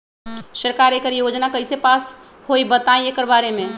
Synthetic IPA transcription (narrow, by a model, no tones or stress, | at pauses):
səɾkaːɾekəɾjoːd͡ʒnakəɪsepaːs | hoibət̪aĩekəɾbaːɾemẽ